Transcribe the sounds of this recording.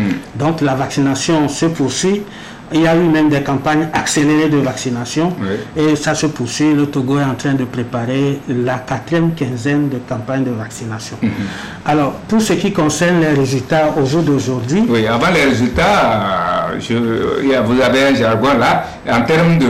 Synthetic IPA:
d̪ɔ̃klavaksinasjɔ̃səpuʁsɥi | iljaymɛ̃md̪ɛkãpaɲakseleʁed̪əvaksinasjɔ̃iesasəpuʁsɥilət̪oɡoɛɑ̃t̪χɛ̃d̪əpʁepaʁelakat̪ʁijɛmkɛ̃zɛnd̪əkãpaɲd̪əvaksinasjɔ̃ | alɔʁpuʁsəkikɔ̃sɛʁnlɛʁezylt̪aoʒuʁd̪oʒuʁd̪ɥiwiavãlɛʁezylt̪a | ʒəvuzaveɛ̃ʒaʁɡɔ̃la | ɑ̃t̪ɛʁmd̪ə

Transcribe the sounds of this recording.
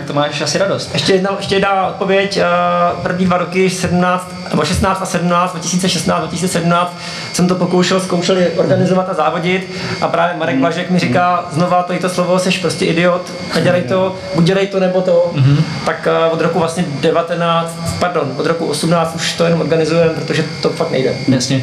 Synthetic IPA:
k̚t̪omaːʃasɪɾadost̪ɛʃcɛjɛdnaɛʃcɛjɛdnaʔot̪̚povjɛcpr̩vɲiːdvaɾokɪsɛdumnaːt͡st̪nɛ̰boʃɛst̪naːt͡st̪asɛdum̩naːt͡sd̪vacɪ̥siːt͡sɛʃɛst̪naːt͡szd̪vacɪsiːt͡sɛsɛdumnaːt͡st̪ | sɛmt̪opokowʃɛlskowʃɛlɪʔoɾɡanɪzovat̪azaːvoɟɪt̪ | ʔapɾaːvjɛmaɾɛɡvlaʒɛkmɪɾɪkaːznovat̪oɪt̪oslovo̞sɛʃpɾoscɛʔɪdɪot̪ | nɛɟɛlajt̪o | buc̚ɟɛlajt̪onɛbot̪oɦt̪akvod̪ɾokuvlasɲɛdɛvat̪ɛnaːt͡st̪paɾdo̞nvod̪ɾokuʔosumnaːt͡st̪uʃt̪ojɛnomʔoɾɡanɪzujɛmpɾot̪oʒɛt̪ofak̚t̪nɛ̰jdɛ̰jasɲɛ

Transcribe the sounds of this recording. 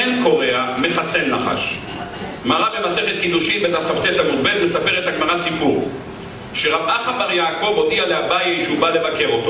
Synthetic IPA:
enko̞ʁeame̞χasenlaχa̰ʃ | malabemase̞χet̪̚kid̪uʃimbed̪atχaft̪et̪amudbelvesapeʁet̪haɡmaʁasipuʁ | ʃeʁabʔaχabaʁjaːko̞vo̞dialeabajaʃeubale̞vake̞ʁo̞t̪o

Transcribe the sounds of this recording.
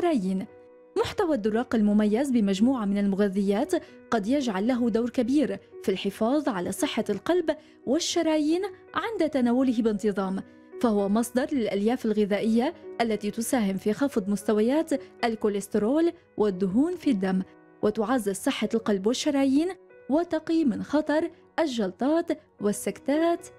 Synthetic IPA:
ɾˤɑːjiːn | mʊħt̪awad̪ːʊrˤːɑːqalmʊmajːazbɪmad͡ʒmuːʕamɪnalmʊɣaðːɪjːaːt̪ | qɑd̪jad͡ʒʕalːaɦʊd̪awɾkabiːɾfilħɪfɑːðˤʕalasˤɨħːalqɑlb | wɪʃːɑɾˤɑːjiːnʕɪnd̪at̪anaːwʊlɪɦbɪnt̪ɨðˤɑːm | fahʊwamɑsˤd̪ɑɾˤlɪlʔaljaːfalɣɪðaːʔɪjːaʔalːat̪it̪ʊsaːhɪmfixɑfd̪ˤmʊst̪awajaːt̪ʔalkʊlɪst̪ɪɾoːl | wʔɪd̪ːʊɦuːnfid̪ːamː | wʔɪt̪ʊʕazːɪzsˤɨħːalqɑlbwɪʃːɑɾˤɑːjiːnwɪt̪ɑqiːmɪnxɑt̪ˤɑɾˤ | ʔaʒːɑlt̪ˤɑːt̪ | wɪsːakt̪aːt̪

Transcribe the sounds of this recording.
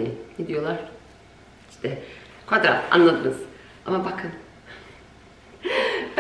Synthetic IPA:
ened̪ijo̞lˠaɾ̥ | iʃt̪ʰɛ | kʰvad̪ɾa̰a̰nlˠad̪ɯnɯz̥ | amabakʰɯn | b

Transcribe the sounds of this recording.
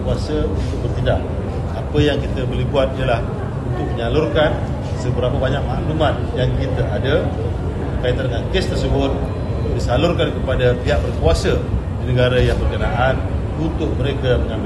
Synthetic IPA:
kuasəunt̪ʊk̚bərt̪idak̚ | apəjaŋkit̪əbolɪhbuat̪̚ijalah | unt̪ʊk̚məɲalʊrkan | səbəɾapəbaɲak̚maʔlumanjaŋkit̪aʔada | pərkait̪andəŋankest̪ərs̬əbʊt̪̚ | disalʊrkankəpadat̪iɦaʔbərkuasə | dinəɡaɾajaŋbərkənaʔan | unt̪ʊk̚məɾekaməŋam

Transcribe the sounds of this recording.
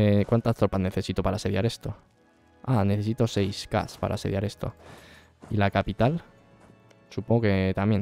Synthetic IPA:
ekwant̪ast̪ɾopasne̞θe̞sit̪opaɾase̞ðja̰ɾe̞st̪o̞ | aneθe̞s̬it̪osejska̰spa̰ɾʔa̰se̞ð̞jaɾe̞st̪o̞̰ | ilakapit̪al | supoŋɡoket̪amjen

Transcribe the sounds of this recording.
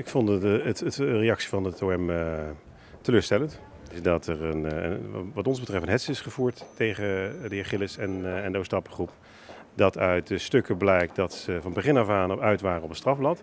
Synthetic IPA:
ɪkfɔndətətrejɑksi̥vɑnətoɛmə | təløːɹstɛlənt | ɪsdɑtɛrən̰ | ʋɑtɔnzbətrɛftənɦɛtsəɪsχəvuːɹtːejχədəɪɹχɪləsɛnɛndəostɑpə̥χrup | dɑtœɥt̚dəstɵkəblɛjk̚dɑtsəvɑnbəχɪnɑfaːnœɥtʋaːrəɔpənstrɑvblɑt

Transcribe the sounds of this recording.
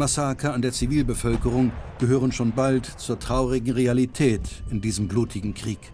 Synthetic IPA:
masakaandeːɐt͡siviːlbəfœlkəʁ̞ʊŋɡ̥əɦøːʁ̞ənʃoːnbaltt͡suːɐtʁ̥aʊʁɪɡŋ̩ʁealitʰɛːtɪndiːzəmbluːtʰɪɡŋ̩kʁ̥iːk

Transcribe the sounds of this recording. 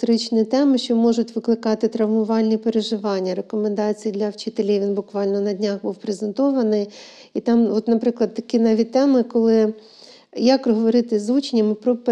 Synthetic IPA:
t̪ɔɾɪt͡ʃnʲit̪ɛmɪʃt͡ʃɔmɔʒʊtʲʋɪklˠɪkɑt̪ɪt̪ɾɐʋmʊʋɑlʲnʲipeɾeʒɪʋɑnʲːɐɾekɔmend̪ɑt͡sʲijid̪lʲɐwt͡ʃɪt̪elʲiʋʲinbʊkʋɑlʲnɔnɐdʲnʲaxbuwpɾezent̪ɔʋɐnɪj | it̪ɑmɔt̪nɐpɾɪklˠɐd̪̚t̪ɐkʲinɛʋʲit̪ɛmɪkɔlˠɪ | jɐkɾɔɦɔʋɔɾɪt̪ɪzʋut͡ʃenʲːɐmɪpɾɔp

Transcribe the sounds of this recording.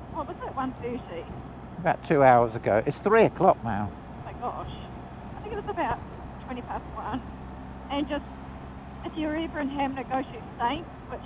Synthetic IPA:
wɛlˠwzəʔ̚wʌ̃nbʉɾi | əbaʊtʰʉaʊə˞zəɡoʊʔɨtsθɹiɨkʰl̥ɒk̚na̰ʊ | maɪɡ̥ɔʃ | aɪθɪ̃ŋkɨtɨsəbaʊt̚ | tʰw̥ɛ̃ɾ̃ipʰæstwʌ̃n | ɨ̃nd͡ʒʌst | ɨfjə˞ivə˞ɨ̃nɦæmnɨɡ̥oʊɾɨsẽɪ̃n | wʌt

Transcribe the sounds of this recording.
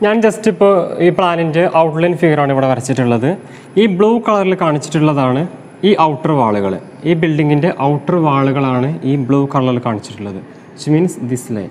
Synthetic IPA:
ɲaːnd͡ʑɐstipːo̞ːiːpɭaːninde̞ʔɐwʈlɐjnfiɡɐraːɳiʋiɽeʋɐɾɐt͡ɕːiʈːuɭːɐðɨ | iːbɭuːkɐɭɐrilkaːɳit͡ɕːi̥ʈːuɭːɐðaːɳɨ | iːʔɐwʈːɐrʋaːɭuɣɐ̰ɭ | iːbilɖiŋɡinde̞ʔɐwʈːɐrʋaːɭuɣɐɭaːɳɨiːbɭuːkɐrɐlɐilkaːɳit͡ɕːi̥ʈːuɭːɐðɨ | ɐt͡ɕmiːnsd̪islḛ

